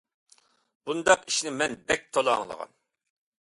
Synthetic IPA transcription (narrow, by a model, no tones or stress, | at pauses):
b̥und̪ɑqiʃnɪmɛnbɛk̚ʲt̪ʰolˠɑŋlˠə̰ʁɑ̰n